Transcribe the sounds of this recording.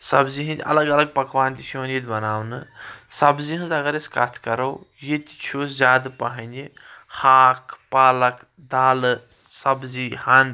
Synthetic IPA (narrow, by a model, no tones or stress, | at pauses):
sɐbziɦɐ̃nd̪ʲɐ̰lɐɡɐlɐɡ̚pɐkʋaːnt̪ʲisʰuənjet̪ʲbɐnaːwnɨsɐbziɦɨ̃nzɐɡɐɾeskat̪ʰkɐɾɐwjet̪ʲt͡ʃʰuzʲaːd̪pɐɦɐnʲd̪ʲihaːkʰpaːlɐk | d̪aːlɨ | sɐbzihɐn